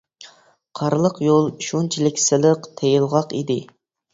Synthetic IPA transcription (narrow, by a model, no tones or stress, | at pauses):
qʰɑɾlˠəqjolˠʃunt͡ʃʰilɪkʲsɪlˠəqt̪ʰejɪlˠʁɑqḭd̪ɪ